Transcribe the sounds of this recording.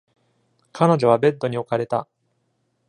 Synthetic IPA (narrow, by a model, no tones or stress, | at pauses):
kʰano̞ʑo̞β̞abe̞d̪ːo̞ɲ̟io̞kaɾe̞t̪a̰